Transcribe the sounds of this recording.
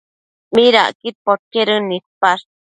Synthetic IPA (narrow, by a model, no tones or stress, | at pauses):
miɾa̰ʔkit̪̚poɾ̚keɾɨnit̪̚pas